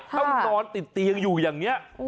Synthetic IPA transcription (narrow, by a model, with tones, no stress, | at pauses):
a˦t̪ɔ˨˧nt̪i˨˩t̪i˨əŋzu˨˩zə˨˩ŋɲa˨˦